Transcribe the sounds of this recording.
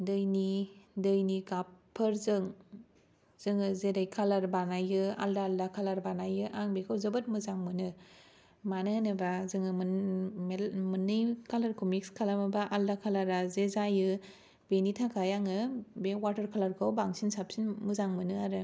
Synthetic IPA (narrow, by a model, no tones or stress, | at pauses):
dɯjnidɯjniɡapʰːɯɾzɯŋ | z̥ɯŋɯzedajkʰalaɾbanajɯa̰ldaːldakʰalaɾbanajɯʔaŋbekʰawzɯbɯt̚mɯzaŋmɯnɯ | manɯnɯbazɯŋɯmmemɯnːɯjkʰalaɾkʰomikskʰalamabaʔaldakʰalaɾazezajɯ | benitʰakʰajaŋɯbewaɾtɐɾkʰalaɾkʰawbaŋsinsap̚sinmuzaŋmɯnɯaɾɯ